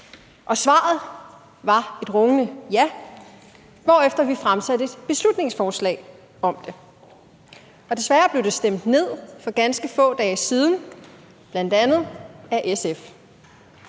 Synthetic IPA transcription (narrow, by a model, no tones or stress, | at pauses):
ʔɒ̽sʋɑ̰̈ð̞̩ˠ | ʋɑ̈e̝d̥ʁɔ̽ŋənəjæ | ʋɒ̰ːefd̥ɐʋifʁamsæd̥əe̝d̥b̥e̝slud̥ne̝ŋsfɒːslɛ̰ːɪ | ɒ̽md̥e̝ | ɒ̽d̥e̝sʋæɐb̥le̝ʊd̥e̝sd̥em̰d̥ne̝ð̰ˠfɒ̽ɡ̥ænsɡ̥əfɔ̰̽ːd̥ɛːsiːð̞ˠn̩ | b̥læn̰d̥ænð̞̩ˠæʔesef